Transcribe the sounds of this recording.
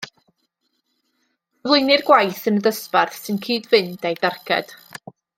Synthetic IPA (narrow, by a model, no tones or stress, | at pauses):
əvlˠʊɨnɪrɡwajθənədəsparθsɨnkʰiːdvɪndejdarkʰɛ̰d̥